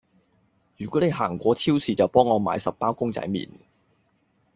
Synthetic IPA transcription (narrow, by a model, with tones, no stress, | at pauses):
jyː˨˩kɔː˨˥ne˨˧jɦaː˨˩ŋkʷɔː˨˥t͡sʰiː˥wsiː˨t͡sɐ˨wpɔː˥ŋːɔː˨˧ma̰ː˨˧jsɐ˨p̚paː˥wkʊ˥ŋt͡sɐ̰˨˥jmḭː˨˩n